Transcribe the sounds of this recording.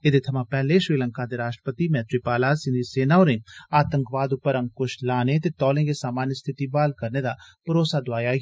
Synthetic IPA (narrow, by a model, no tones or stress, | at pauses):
ɪd̪et̪ʰɐmãpɛɦleʃɾiːlə̃ŋkad̪eɾaːʃʈɾə̥pət̪imɛ̃ːt̪ɾipaːlasɪ̃nd̪ʱiseːnaɔːɾẽaːt̪ə̃ŋkʋaːd̪ʊpəɾɐ̃ŋkʊʃlaːnet̪et̪ɔːlẽkesaːmaːnjəst̪ʰɪt̪ibaːlkɐɾned̪apɐɾoːsad̪aːja